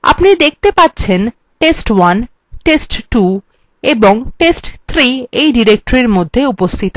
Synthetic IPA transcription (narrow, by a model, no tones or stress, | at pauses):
a̰pnid̪ek̚ʰt̪epatːɕʰen | ʈesʈwan | ʈesʈʈu | eboŋʈesʈt̪ʰɾiejɖiɾek̚ʈoɾiɾmod̪ʱːeupost̪ʰit̪o